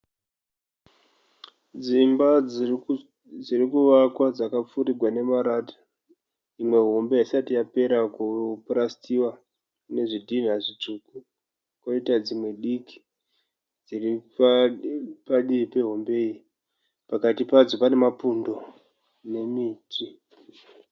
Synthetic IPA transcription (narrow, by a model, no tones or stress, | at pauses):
d͡zimba | d͡zirikuʋakwad͡zakap͡fuɾiɡʱwane̞maɾaːtḁ | imwe̞ɦo̞mbeisatijape̞ɾakuprastiwa | ne̞ʐidʱin̤aʐit͡ʂuku | kwaitad͡zimwe̞ɗikʰi̥ | d͡ziri | paɗiipe̞ɦombe̞i | pakatipad͡zopane̞mapundo̞ | ne̞miːtʰi